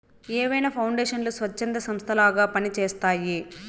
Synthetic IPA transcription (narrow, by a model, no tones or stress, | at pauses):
ɛːʋɐjnɐpʰɐwɳɖeːʂɐnlusʋɐt͡ʃːɐnd̪ɐsɐmst̪ʰɐlaːɡaːpɐnit͡ʃeːst̪aːji